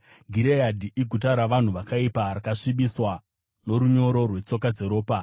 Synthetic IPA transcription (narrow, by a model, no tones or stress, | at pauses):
ɡʱiɾejadʱiʔiɡʱut̬aɾaʋan̤uʋakaipaɾakaʂiɓiswa | no̞ɾuɲo̞ɾorwe̞t͡so̞kad͡ze̞ɾo̞ːpa